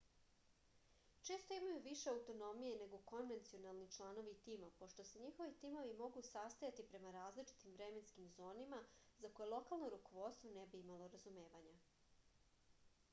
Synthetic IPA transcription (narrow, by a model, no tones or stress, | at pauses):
t͡ʃe̞ːst̪o̞imajuʋiʃeawt̪o̞no̞mijene̞ɡo̞ko̞nʋe̞nt̪sio̞nalˠnit͡ʃlˠano̞ʋit̪iːmapo̞ʃt̪o̞se̞ɲixo̞ʋit̪iːmo̞ʋimo̞ɡusast̪ajat̪ipɾe̞maɾaːzlit͡ʃi̥t̪imvɾe̞me̞nskimzoːnimazako̞jelˠo̞kalˠno̞ɾuko̞ʋo̞t̪st̪ʋo̞nebiimalˠo̞ɾazume̞ːʋaɲa